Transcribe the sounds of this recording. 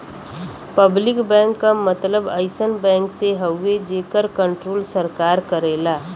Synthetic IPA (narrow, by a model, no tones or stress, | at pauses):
pəblɪkbɛ̃ːŋkːamət̪ləbəɪsənbɛ̃ːŋkseɦəːed͡ʒeːkəɾkə̃ɳʈɾoːlsəɾkaːɾkəɾeːlaː